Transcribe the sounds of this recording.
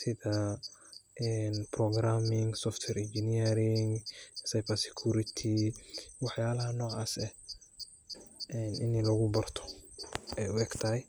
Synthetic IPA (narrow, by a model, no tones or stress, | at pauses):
sɪðɐ | ʔɛnprɔɡɾaːmɪŋsɔft̪ʰwɛɾɪnd͡ʒɪniɛɾɪŋsajbɐrsɛ̥kʰuːɾɪt̪ʰiwɑħjaːlɐɦɐnɔːʕaːsɛh | ɛːnɪ̰nlɐɣʊbɐrt̪ʰɔ̥ɛjʊɛɡt̪ʰɐɦɛj